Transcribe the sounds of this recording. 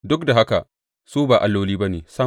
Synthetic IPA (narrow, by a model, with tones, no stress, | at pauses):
dʊ˦k̚da˨ɦa˦ka˨ | suː˦baː˨ʔa˨lːoː˦liː˦bɐ˦neː˨sɐ˦